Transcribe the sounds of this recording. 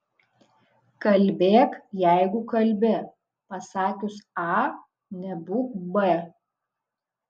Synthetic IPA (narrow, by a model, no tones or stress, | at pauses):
kɐlʲbʲeːkjæɪɡʊkɐlʲbʲɪ | pɐsɑːkʲʊsɑ | nʲɛbuːkbɛ